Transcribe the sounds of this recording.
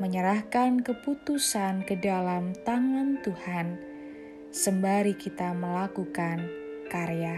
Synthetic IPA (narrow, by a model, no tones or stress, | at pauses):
məɲəɾahkankəput̪usankədalamt̪aŋant̪uhan | səmbaɾikit̪aməlakukankaɾeja